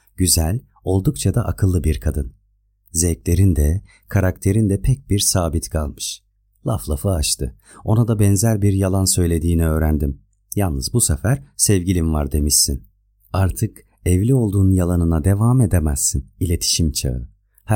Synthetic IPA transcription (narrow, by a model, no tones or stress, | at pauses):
ɟ̥yzælʲ | o̞lˠd̪ukt͡ʃʰad̪aʔakʰɯlˠːɯbiɾkʰad̪ɯn | zɛclʲe̞ɾind̪ɛ | kʰaɾak̚t̪ʰe̞ɾind̪ɛpʰɛc̚biɾsaːbit̪kʰalˠmɯʃ | lˠaflˠafɯat͡ʃt̪ʰɯ̰ | o̞nad̪abɛnzæɾbiɾjalˠansø̞jlʲe̞d̪iːniø̞ːɾænd̪im | jalˠnɯzbusefæɾ̥sɛvɟilʲimvaɾd̪e̞miʃsin | aɾt̪ʰɯk | ɛvlʲio̞lˠd̪uːnunjalˠanɯnad̪e̞vaːmed̪emæz̥ːinilʲe̞t̪ʰi̥ʃimt͡ʃʰa̰ɯ | h